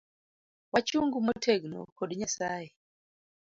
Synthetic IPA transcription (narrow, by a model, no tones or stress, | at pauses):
wat͡ʃuŋɡumɔtʰɛɡnɔ̰kɔɗiɲasajɛ